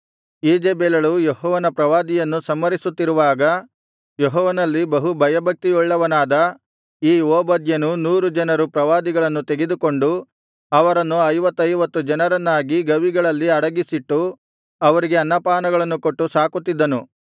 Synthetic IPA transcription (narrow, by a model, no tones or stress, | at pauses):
iːd͡ʒeːbeːlɐɭujeɦɔːʋɐnɐpɾɐʋaːd̪ijɐnːusɐmːɐɾisut̪ːiɾuʋaːɡɐ | jeɦɔːʋɐnɐlːibɐɦubʱɐjɐbʱɐk̚t̪iɔɭːɐʋɐnaːd̪ɐ | iːoːbɐd̪jɐnunuːɾud͡ʒɐnɐɾupɾɐʋaːd̪iɡɐɭɐnːut̪eɡed̪uko̞ɳɖu | ɐʋɐɾɐnːuɐjʋɐt̪ːɐjʋɐt̪ːud͡ʒɐnɐɾɐnːaːɡiɡɐʋiɡɐɭɐlːiɐɽɐɡisiʈːu | ɐʋɐɾiɡe̞ɐnːɐpaːnɐɡɐɭɐnːukoʈːusaːkut̪ːid̪ːɐnu